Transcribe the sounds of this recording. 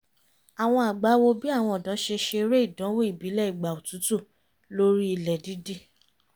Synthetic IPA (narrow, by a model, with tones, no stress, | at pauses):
a˨w̃ɔ̃˧a˨ɡ͡ba˨˦wo˧bi˦a˦˨w̃ɔ̃˧ɔ˨dɔ̃˨˦ʃe˧ʃe˧ɾe˦i˦˨dɔ̃˨˦wo˦i˦˨bi˨˦lɛ˦˨i˨ɡ͡ba˨o˨tu˨˦tu˦˨ | lo˦ɾi˦i˧lɛ˨di˨˦di˦˨